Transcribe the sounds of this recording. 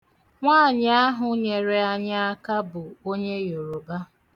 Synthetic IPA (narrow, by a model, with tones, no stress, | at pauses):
ŋʷaː˦˨ɲ˦a˦ɦʊ˨ɲe˨ɾe˦a˦ɲa˦a˦ka˦bʊ˨o˦ɲe˦jo˨ɾo˨ba˦